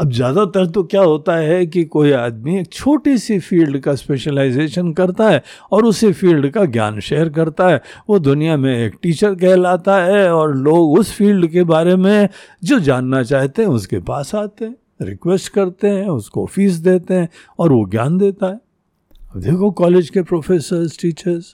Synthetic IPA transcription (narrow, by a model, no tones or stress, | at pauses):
ɐbzjaːd̪at̪ɐɾt̪̬okjaːɦoːt̪aɦɛk̬ikoːiaːd̪̚mieːk̚t͡ʃʰoːʈisifiːlɖkaspeːʃəlaɪzeːʃənkɐɾt̪aɦɛːɔːɾʊsifiːlɖkaɡja̰ːnʃeːɾk̬ɐɾt̪aɦɛʋod̪ʊnijamẽeːkʈiːt͡ʃəɾk̬ɛɦlaːt̪aɦɛɔːɾloːɡʊsfiːlɖkebaːɾemẽ | d͡ʒoːd͡ʒaːnːat͡ʃaːɦt̪eɦɛ̃ʊskepaːsaːt̪eɦɛ̃ | ɾɪ̰kʋɛsʈkɐɾt̪eɦɛ̃ʊsko̰fiːs̬d̪eːt̪eɦɛ̃ː | ɔːɾʋoɡja̰ːnd̪eːt̪aɦɛː | ɐbd̪eːkʰokɔːleːd͡ʒkepɾoːfeːsəɾzʈiːt͡ʃəɾz